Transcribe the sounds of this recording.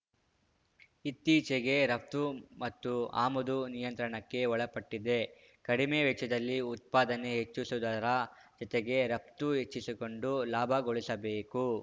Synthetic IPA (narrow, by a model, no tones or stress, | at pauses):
it̪ːiːt͡ʃeɡe̞ɾɐp̚t̪umɐt̪ːua̰ːmɐd̪unijɐnt̪ɾɐɳɐkːe̞ɔɭɐpɐʈːid̪e̞ | kɐɽimeːʋɛt͡ʃɐd̪ɐlːiut̪̚paːd̪ɐne̞ɦet͡ʃːusud̪ɐɾɐd͡ʒɔt̪eɡe̞ɾɐp̚t̪uɦet͡ʃːisiko̞ɳɖulaːbʱɐɡoɭisɐbeːku